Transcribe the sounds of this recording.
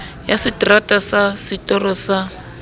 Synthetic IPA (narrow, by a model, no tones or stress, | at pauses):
jasɪtratʼasasɪtɔrɔsa